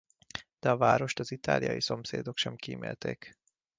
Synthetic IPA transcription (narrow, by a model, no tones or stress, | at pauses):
d̪̥ɛɒvaːɾo̞ʃt̪ɒzit̪a̰ːlijɒ̰jiso̞mseːd̪o̞kʃɛmkimḛːlt̪eːk